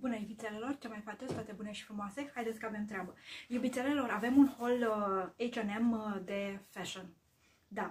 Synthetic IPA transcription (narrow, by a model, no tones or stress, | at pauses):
bunejubit̪selelo̞rt͡ʃemajfat͡ʃest̪at̪ebune̞ʃi̥fɾumoase̞hajd̪esʲkəave̞mt̪ɾeabəjubit̪sele̞lo̞ɾave̞munho̞lejt͡ʃenemd̪e̞fɛʃon | d̪a